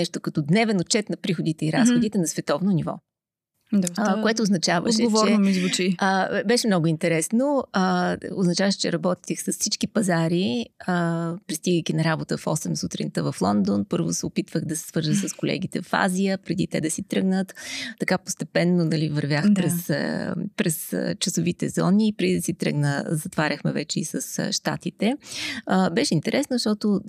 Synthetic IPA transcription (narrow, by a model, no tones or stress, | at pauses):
nɛʃt̪okɐt̪ɔd̪nɛvɛnot͡ʃɛt̪nɐpɾixod̪it̪ɛiɾasxod̪it̪ɛnɐsvɛt̪ɔvnonivɔ̰ | d̪akoɛt̪oːznɐt͡ʃavə̰ʃd̪ɛɡovt͡ʃɔɾɛnomizvʊt͡ʃiəbɛʃɛmnɔɡʊint̪ɛɾɛsnoəoznt͡ʃavəʃɛ̥t͡ʃɛ̰ɾɐbɔt̪i̥t̪ɛxsəssit͡ʃkipɐzaɾiəpɾist̪iɡəjkʲinɐɾabot̪əfɔsɛmsut̪ɾḭnt̪əvɐflˠɔnd̪onpɤɾvo̰sɛopit̪vəɣd̪ɐsɛ̥svɤɾʒəxsəskolɛ̰ɡ̟it̪ɛ̰fa̰zʲijəpɾɛd̪ḭt̪ɛ̰d̪ɐsit̪ɾɤɡnət̪ːɐkapo̥st̪ɛpɛnːonɐlivɐɾvʲjaxpɾɛspɾɛst͡ʃɐsovit̪ɛ̰zɔ̰niːpɾɛd̪id̪ɐsit̪ɾə̰ɡnə̰zɐt̪vaɾʲəxmɛ̰vɛt͡ʃɛisə̰sʃt̪a̰t̪it̪ɛəbɛʃɛint̪ɛɾɛsnoʃt̪ɔt̪ʊ